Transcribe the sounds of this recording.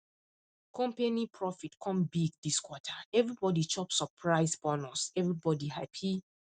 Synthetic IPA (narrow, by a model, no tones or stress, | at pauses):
kɔ̃mpenipʰɹɔfitkʰɔ̃mbiɡdiskwɔtʰaɛvɹibɔdit͡ʃɔpsəpʰɹaɪsbɔnɔsɛvɹibɔdihapʰi